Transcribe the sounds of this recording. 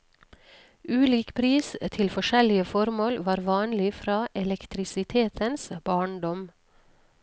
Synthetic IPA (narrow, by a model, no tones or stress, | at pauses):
ʉːliːkpʰɾiːst̪ʰɪlfɔʃɛlɪəfɔɾmoːlʋɑːɾʋɑːnlɪfɾɑːʔɛlɛkt̪ʰɾɪsɪt̪ʰeːt̪ʰənsb̥ɑːɳɖɔm